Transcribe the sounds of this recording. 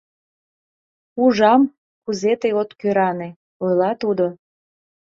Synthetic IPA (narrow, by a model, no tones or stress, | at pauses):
uʒɑm | kuzet̪ejot̪køɾɑne | ojlɑt̪ud̪o